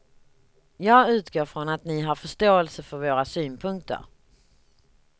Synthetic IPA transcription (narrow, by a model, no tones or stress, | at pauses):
jɑːɡʉ̟ːt̪ɡoːɾfɾɔnat̪nɪɦaɾfœʂt̪oːɛlsəfœɾvoːɾasyːnpʰɵŋk̚t̪ʰə̰ɾ